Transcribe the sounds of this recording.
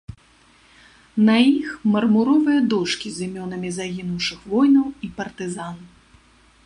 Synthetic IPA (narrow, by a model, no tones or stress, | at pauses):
nɐixmɐrmuɾɔvɨjɐd̪ɔʂkʲizʲimʲɔnɐmʲizaɣʲinuwʂɨxvɔjnɐwipɐrt̪ɨzan